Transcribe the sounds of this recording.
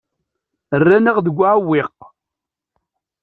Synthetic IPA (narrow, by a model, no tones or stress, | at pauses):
ərːæniʁðəɡʷːaʕwːɪq